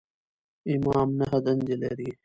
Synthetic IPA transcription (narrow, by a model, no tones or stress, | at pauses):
imaːmnɐɦɐd̪ɐnd͡ʑelḛɾiː